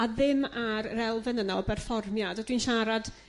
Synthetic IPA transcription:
aðɪmaɾːɛlˠvɛnənɔbɛrfɔrmjadɔd̥winʃaɾad̥

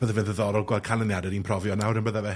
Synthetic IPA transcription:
bəðɛvɪnðəðɔɾɔɡwɛkʰanˠənjadɛɾinpʰrɔvjɔnawɾənbəðavɛ

